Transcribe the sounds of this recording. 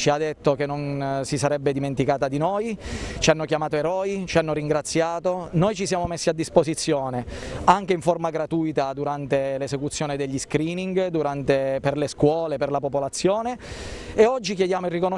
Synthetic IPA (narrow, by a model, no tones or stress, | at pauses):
t͡ʃiad̪ːet̪ːokenːonsisaɾɛbːed̪iment̪ikaːt̪ad̪inojt͡ʃianːokjamaːt̪oeɾɔːit͡ʃianːoɾiŋɡɾat̪sːjaːt̪onojt͡ʃisjaːmomesːiad̪ːispozit̪sːjoːneaŋk̟eiɱformaɡɾat̪uːjt̪ad̪uɾant̪elesekut̪sːjoːned̪eʎːiskɾiːniŋɡd̪uɾant̪eperleskwɔːleperlapopolat̪sːjoːneeɔd͡ʒːikjed̪jaːmoirːikono